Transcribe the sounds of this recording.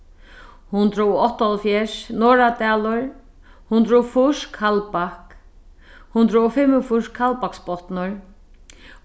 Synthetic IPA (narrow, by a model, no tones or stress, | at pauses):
hʊnt̪ɾuɔɔht̪alfjɛʂnɔːɾat̪ɛːlʊɹ | hʊnt̪ɾufʊʂkʰalpahk | hʊnt̪ɾʊɔfɪmːʊfʊʂkʰalpakspɔt̪nʊɹ